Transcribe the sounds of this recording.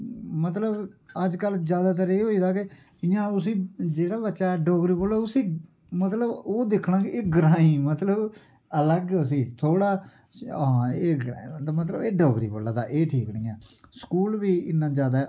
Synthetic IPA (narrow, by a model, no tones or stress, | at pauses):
mət̪ləbəd͡ʒkəld͡ʒjaːd̪aːt̪̬əɾeːɦoːiːd̪aːkɪ | ɪjãːʊs̬ĩːd͡ʒeːɽaːbətːʃaːɖoːɡɾiːboːlaːʊsiː | mət̪ləboːd̪ɪkʰɽ̃ãːkiːɡɾãːĩːmət̪ləb | ələɡʊs̬iːt̪ʰoːɽãː | eːɡɾat̪ːmət̪̬lə̰beːɖoːɡɾḭːboːlaːd̪a̰ːʔeːʈʰiːknĩːɛːsə̥kuːlʋiːɪnːãːd͡ʒjaːd̪aː